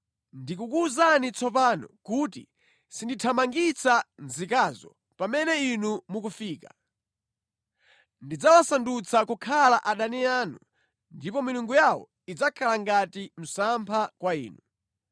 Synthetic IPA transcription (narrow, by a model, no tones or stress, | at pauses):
ndikukuzanit͡sɔp̬aːnɔ̰kuːtḭ | sinditʰamaŋɡit͡sʰanzikazɔ̰ | pamɛnɛinumuk̬ufiːka | ndid͡zawasandut͡sʰakukʰalaʔaɗaniaːnu | ndipɔmiluŋɡujawɔ̰ | id͡zakʰalaŋɡatim̩sampʰakwaiːnu